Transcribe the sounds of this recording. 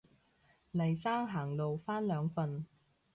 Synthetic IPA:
lɐ˨˩jsaː˥ŋɦaː˨˩ŋlo˨wfaː˥nlœː˨˧ŋfɐ˨˧n

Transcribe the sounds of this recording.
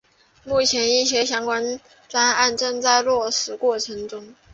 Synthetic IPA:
mu˥˩t͡ɕʰjɛ˧˥ni˥˩ɕ̬jɛ˥ɕjɑ˥ŋkwa˥n | ʈ͡ʂwa˥na˥˧nʈ͡ʂɤ˥˧ŋt͡sa˥˧ɪlwɔ˥˩ʂɻ̩˨˩kwɔ˥˩ʈ͡ʂʰɤ˧˥ŋʈ͡ʂʊ˥ŋ

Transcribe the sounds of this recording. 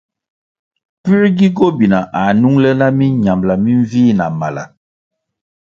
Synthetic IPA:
pi˦ɾɡi˦ɡo˦bi˨na˨ʔa˨nu˦ŋlə˦na˦mi˦ɲa˨mla˨mi˦ɱ˦viː˦˨na˨ma˨la̰˨

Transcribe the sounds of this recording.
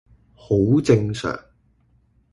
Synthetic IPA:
ho˨˥wt͡sɪ˧ŋsœ̰ː˨˩ŋ

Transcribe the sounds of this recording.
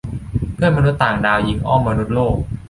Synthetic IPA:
pʰɯ˥˩ənma˧nu˦˥t̪t̪ːaː˨˩ŋdaː˧wji˨˦˥ŋʔɔ˥˩mːa˧nu˦˥t̪̚loː˥˩k̚

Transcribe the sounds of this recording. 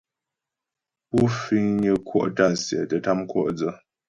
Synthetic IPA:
pu˦fi˦ŋɲə˦kʰwɔ̰˦ʔta˦nsjɛ̰˨tə˨ta˦mkwɔ̰˦˨ʔd͡zə˦

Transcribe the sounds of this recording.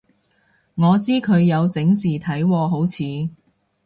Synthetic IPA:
ŋɔː˨˧t͡siː˥kʰɵ˨˧ɥjɐ˨˧wt͡sɪ˨˥ŋt͡siː˨t̪ʰɐ˨˥jwɔː˧ɦo˨˥wt͡sʰiː˨˧

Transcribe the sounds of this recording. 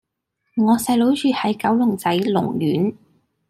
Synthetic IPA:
ŋɔː˨˧sɐ˧jlo˨˥wt͡ʃyː˧hɐ˨˥jkɐ˨˥wlʊ˨˩ŋt͡sɐ˨˥jlʊ̰˨˩ŋjyː˨˥n

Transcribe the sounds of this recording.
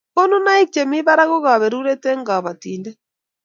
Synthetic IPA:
o˦nu˦na˦i˦k̚t͡ʃɛ˨mi˦βa˦ɾa˦ɣo˦ɣa˨βɛ˨ɾu˦ɾɛ˦tɛ˦ŋɡa˨βa˨ti˨ndɛ˦

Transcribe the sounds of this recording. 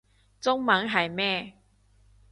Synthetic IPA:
t͡sʊ˥ŋmɐ˨˥ŋɦɐ˨˩jmɛː˥˩

